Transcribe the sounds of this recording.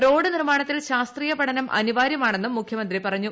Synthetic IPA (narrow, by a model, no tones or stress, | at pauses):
ro̞ːɽɨnirmaːɳɐt̪ːilɕaːst̪riːjɐpɐʈʰɐnɐmʔɐ̰niʋaːɾjɐmaːɳe̞nːumːukʰjɐmɐnd̪ripɐrɐɲːu